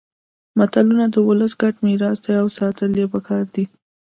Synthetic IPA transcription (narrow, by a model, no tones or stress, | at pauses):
mat̪alunad̪əwʊləsɡaʈmiɾɑsd̪ajawsɑt̪əljepəkʰɑɾd̪i